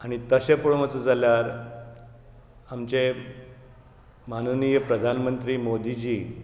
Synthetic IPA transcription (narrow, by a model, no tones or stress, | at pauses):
aɽ̃it̪əɕepoɭmət͡səd͡zʱaljaɾ | amt͡ɕe | manənijəpɾəd̪ʱanmənt̪ɾiːmod̪ʱid͡ʑiː